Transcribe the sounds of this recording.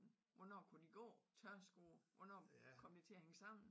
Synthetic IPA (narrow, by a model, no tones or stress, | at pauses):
n̩ | ʋɔnɒ̰ːkʰud̥iɡ̥ɔ̰ːt͡sʰɶɐsɡ̥oːʋɒnɒkʰɒ̽m̰d̥it͡sʰe̝æheŋəsɑ̈m̰n̩